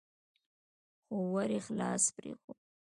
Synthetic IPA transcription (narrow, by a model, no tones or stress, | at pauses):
xowaɾexlɑ̰spɾḛxo